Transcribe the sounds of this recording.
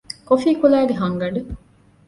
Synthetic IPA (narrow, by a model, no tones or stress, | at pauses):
kofiːkulæːɡeɦɐŋɡɐɖu